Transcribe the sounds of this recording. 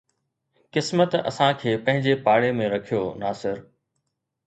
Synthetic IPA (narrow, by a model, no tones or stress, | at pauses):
kɪsmət̪ɐ̰sãkʰeːpɐ̃ɦɪ̃ɲd͡ʑepaːɽemẽɾɐkʰijoːnaːsɪɾ